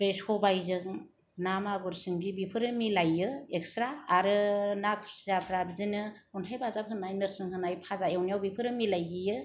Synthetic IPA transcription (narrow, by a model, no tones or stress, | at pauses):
pɾesɔbajzɯŋ | namaɡɯɾsɯŋɡibipʰɯɾɯmilajɯek̚stɾaːɾɯnakʰszapʰɾabizɯnɯ | ɔntʰajbʰazap̚hʰɯnajnɯɾsɯŋɦʰɯnajpʰazaewnijawbipʰɯɾɯmilajɦijɯ